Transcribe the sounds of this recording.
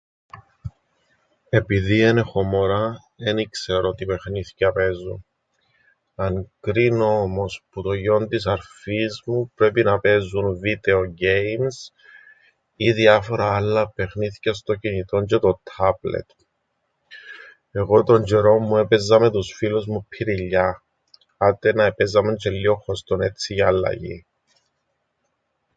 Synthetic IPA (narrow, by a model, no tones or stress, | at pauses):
e̞piðiene̞xo̞mo̞ɾɐ | enikseɾot̪ipe̞xniθi̥cɐpe̞zṵn | ɐŋkɾinoomo̞sput̪oʝo̞nt̪isɐɾfizmupɾe̞pinɐpe̞zunvid̪e̞oɟe̞jms | iðiɐfo̞ɾɐɐlːɐpe̞xniθi̥cɐst̪o̞cinit̪o̞ɲcet̪ot̪ʰɐblḛt̪ | e̞ɣo̞t̪o̞ɲd͡ʒeɾo̞mːuepezːɐmet̪usfiluzmupʰːiɾiʎːɐ | ɐt̪enɐepezɐment͡ʃelːio̞xost̪one̞t͡siʝɐːlːɐ̰ʝḭ